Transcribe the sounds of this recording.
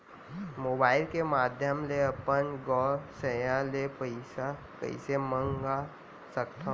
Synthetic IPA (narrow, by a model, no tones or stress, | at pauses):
moːbaːɪlkemaːd̪ʱjəmleɐpənɡɔːɾsəjãlepəɪsa | kə̰ɪ̰semə̃ŋɡa | səkt̪ʰã